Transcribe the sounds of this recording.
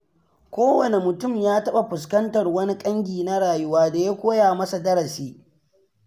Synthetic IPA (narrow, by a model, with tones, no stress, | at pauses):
kʷoː˦wɐ˨ne˨mʊ˨tʊ˦˨mjaː˦tɐ˦ɓa˨ɸʊ˨s̬kɐ˦ntɐ˨rwɐ˦ni˦kʼɐ˦ŋɡʲiː˨na˦ɽaː˨jʊ˦waː˦da˨ja˦kʷoː˦jaː˨mɐ˦sa˨dɐ˦ɽɐ˨siː˦